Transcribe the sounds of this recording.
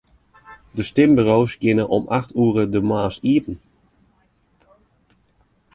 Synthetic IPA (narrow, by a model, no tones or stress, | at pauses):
dəstɪmbyrowsɡjɪnəʔɔmʔaxtʰuərədəmaːsiəpən̩